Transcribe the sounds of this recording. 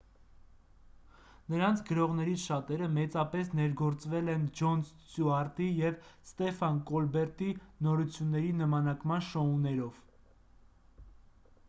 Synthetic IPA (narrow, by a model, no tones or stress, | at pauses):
nəɾɑnt͡sʰɡəɾɔʁn̪ɛɾit͡sʰʃɑt̪ɛɾəmɛt͡sɑpɛs̬nɛɾɡɔɾt͡svɛlɛnd͡ʒɔns | t͡suɑɾt̪ijɛvst̪ɛfɑnkɔlbɛɾt̪inɔɾut͡sʰjunːɛɾinəmɑnɑkmɑnʃɔunɛɾɔv̥